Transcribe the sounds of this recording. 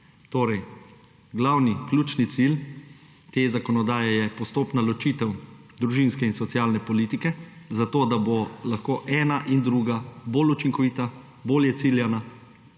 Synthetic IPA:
t̪oːɾɛj | ɡlawniklʲuːt͡ʃnit̪sil | t̪eːzakɔnɔd̪aːjɛjɛpɔst̪oːpnalɔt͡ʃiːt̪ɛw | d̪ɾuʒinskɛinsɔt̪sjaːlnɛpɔliːt̪ikɛ | zat̪oːd̪abolaxkoːʔɛːnaʔind̪ɾuːɡaboːlut͡ʃiŋkɔʋiːt̪a | boːljɛt̪siljana

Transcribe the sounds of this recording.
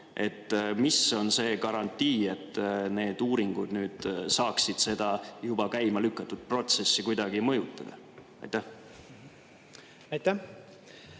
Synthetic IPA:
ʔe̞t̪ːmiso̞nse̞ːkɑɾɑnt̪ːˑiːe̞t̪ːne̞ːd̪uːɾiŋɡ̥ud̪nyːd̪̥sɑːksid̪̥se̞d̪̥ɑjubɑkæjmɑlykːɑt̪ːud̪̥̚pro̞t̪se̞sːikujd̪̥ɑɡ̥imɤjut̪ːˑɑd̪̥ɑ̰ | ɑ̰jt̪ːæh | ɑjt̪æh

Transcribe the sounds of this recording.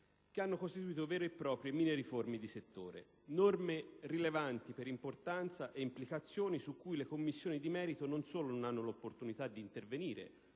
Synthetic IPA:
k̟eanːokost̪it̪uiːt̪̬ovɛːɾoepːɾɔːpɾjemiːneɾiformid̪iset̪ːoːɾḛ | normerilevant̪ipeɾimport̪ant̪saʔeimplikat̪sːjoːnisukːujlekomːisːjoːnid̪imɛːɾit̪ononsoːlononanːolopːort̪unit̪ad̪ːiːnt̪erveniːɾḛ

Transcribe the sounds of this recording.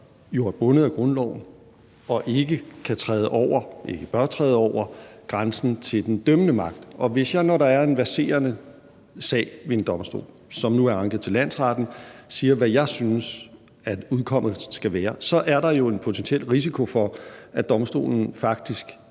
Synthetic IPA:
jo̝æɐb̥ɔ̽nəð̞̩ˠæɡ̥ʁɔ̽nlɒ̰ʊ̰n̩ | ɒ̽ʔe̝ɡ̥əkʰæt͡sʰʁɛːð̞ˠəʔɒʊ̰ɐʔe̝ɡ̥əb̥ɶɐt͡sʰʁɛ̰ːð̞ˠɒʊɐɡ̥ʁansn̩t͡sʰe̝ld̥end̥ømənəmɑ̈ɡ̥̚d̥ʔɒ̽ʋe̝sjɑ̈ɪnɒɾɑ̈æɐe̝nʋæɐse̝̰ːɐnə | sɛ̰ːɪʋe̝e̝nd̥ɒ̽msd̥o̝̰ːl | sɒ̽mnuæɐɑ̈ŋɡ̥əð̩ˠt͡sʰe̝læn̰sʁɑ̈d̥n̩siːɐʋæjɑ̈ɪsynəs | æ̥uðˠkʰɒ̽m̰ð̩ˠsɡ̥æʋæːɐsɒ̽ʔæɐɾɑ̈jo̝e̝npʰo̝t͡sʰensiel̰ʁis̬ikʰo̝fɒ̽æd̥ɒ̽msd̥o̝̰ːln̩fɑ̈ɡ̥̚d̥isɡ̥

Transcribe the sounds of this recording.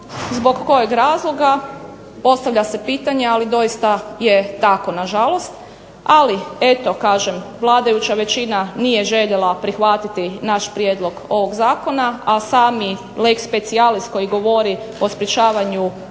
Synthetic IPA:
zbo̞ɡːo̞jeɡɾaːzlˠo̞ɡa | po̞st̪aʋʎase̞piːt̪aɲe̞alid̪o̞jist̪aje̞t̪ako̞naʒalˠo̞st̪ | alie̞t̪o̞kaːʒemʋlˠaːd̪ajut͡ɕaʋe̞t͡ɕinanije̞ʒe̞ʎelˠapɾixʋat̪it̪inaʃpɾjed̪lˠo̞ɡo̞ʋo̞ɡzaːko̞naasaːmi | lekspe̞t̪sialist̪ko̞jiɡo̞ʋo̞ɾi | o̞spɾet͡ʃaːʋaɲu

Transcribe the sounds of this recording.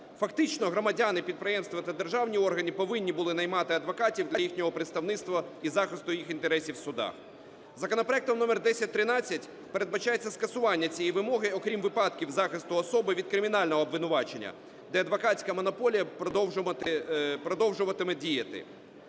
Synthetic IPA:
fɐkt̪ɪt͡ʃnɔɦɾɔmɐdʲanɪpʲid̪̚pɾɪjɛmst̪ʋɐt̪ɐd̪erʒɑwnʲiɔrɦɐnʲiɪpɔʋɪnʲːibʊlˠɪnɐjmɑt̪ɪɐd̪ʋɔkɑtʲiwd̪lʲɐjixnʲɔɦɔpɾɪt̪st̪ɐwnɪtst̪ʋɐizɑxɪst̪ʊjixint̪eɾɛsʲiwsʊd̪ɑ̰x | zɐkɔnɔpɾɔɐɛkt̪ɔmnɔmɛrd̪ɛsʲɐtʲt̪ɾɪnɑt͡sʲːɐtʲ | pe̞ɾed̪̚bɐt͡ʃajet͡sʲːɐskɐsʊʋɑnʲːɐt͡sʲijiʋɪmɔɦɪɔkɾʲimʋɪpɑd̪kʲiwzɑxɪst̪ʊɔsɔbɪʋʲid̪kɾɪmʲin̪ɑlʲnɔɦɔːbʋɪnʊʋɑt͡ʃenʲːɐ̰ | d̪ɛɐd̪ʋɐkɑsʲkɐmɔnɔpɔlʲijɐpɾɔd̪ɔwʒɐt̪ɪpɾɔd̪ɔwʒʊʋɐt̪ɪmɛdʲijɐt̪ɪ̰

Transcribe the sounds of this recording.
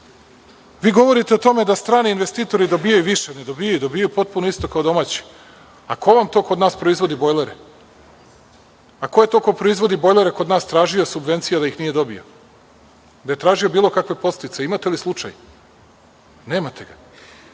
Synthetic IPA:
ʋiːɡo̞ʋo̞ɾit̪eot̪o̞me̞d̪ast̪ɾaːniːnʋe̞st̪iːt̪o̞ɾid̪o̞bijajuʋiʃened̪o̞bijajud̪abijajupo̞t̪̚punoist̪o̞kaod̪o̞maːt͡ɕi̥ | ako̞ʋamt̪o̞ːko̞d̪naːspɾo̞izʋo̞d̪ibo̞jlˠeɾe | ako̞je̞t̪oko̞pɾo̞izʋo̞d̪ibo̞jlˠe̞ɾekod̪naːst̪ɾaːʒiosubʋe̞nt̪sijad̪aixnije̞d̪o̞bḭo̞̰ | d̪aje̞t̪ɾaːʒio̞biːlˠo̞kakʋe̞po̞st̪it̪se̞imat̪e̞lislˠut͡ʂa̰j | ne̞ːmat̪ʰe̞ɡa

